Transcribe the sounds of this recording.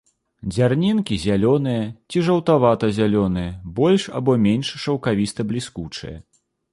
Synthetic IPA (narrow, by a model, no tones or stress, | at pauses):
d͡zʲarnʲinkʲizʲalʲɔn̪ɨjɐt͡sʲiʐɐwt̪avat̪ɐzʲalʲɔnɨjɐbɔlʲʂa̰bɔmʲenʲʂʂɐwkavʲist̪ɐblʲiskut͡ʂɨ̰jɐ̰